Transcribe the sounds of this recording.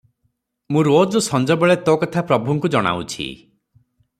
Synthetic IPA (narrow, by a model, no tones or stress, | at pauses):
mũɾod͡ʒɔsɔnd͡ʒɔbeɭet̪ɔkɔt̪ʰapɾɔbʱuŋkud͡ʒɔɽ̃a̰wt͡ʃʰḭ